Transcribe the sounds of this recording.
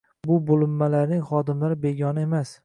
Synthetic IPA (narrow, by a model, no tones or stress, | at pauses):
bʊbolˠɪmːalaɾnɪŋχɒd̪ɪmlaɾɪbe̞ɡʲɒnɪe̞mas